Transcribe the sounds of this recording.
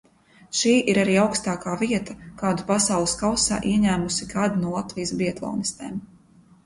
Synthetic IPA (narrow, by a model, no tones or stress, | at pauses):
ʃiːʔiɾaɾiːawkst̪aːkaːviɛt̪ɐkaːd̪upasawlˠɨskawsa̰ːʔiɛɲæːmusikaːd̪nuɔlˠat̪vijsbiɛt̪lˠɔ̰ːnist̪ɛ̰ːm